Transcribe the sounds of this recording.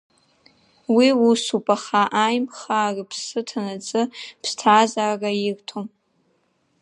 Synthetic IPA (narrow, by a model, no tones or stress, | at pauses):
wiusupʼaχaʔajmχaːripʰsɨtʰanat͡sʼɨpʰstʰaːzaːrairtʰom